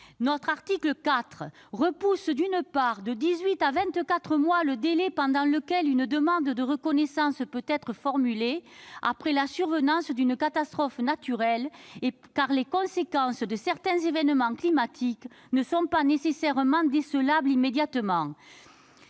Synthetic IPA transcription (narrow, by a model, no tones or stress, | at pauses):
nɔt̪χaʁt̪ikləkat̪χəʁəpusd̪ynəpaʁd̪əd̪izɥit̪avɛ̃t̪kat̪χəmwaləd̪elɛpɑ̃d̪ɑ̃ləkɛlynəd̪əmɑ̃d̪d̪əʁəkɔnɛsɑ̃spøt̪ɛt̪χəfɔʁmylea̰pχɛlasyʁvənɑ̃sd̪ynəkat̪ast̪χɔfnat̪yʁɛlekaʁlekɔ̃sekɑ̃sd̪əsɛʁt̪ɛ̃zevɛnəmɑ̃klimat̪ʰik | nəsɔ̃panesesɛʁəmɑ̃d̪esəlablimed̪jat̪əmɑ̃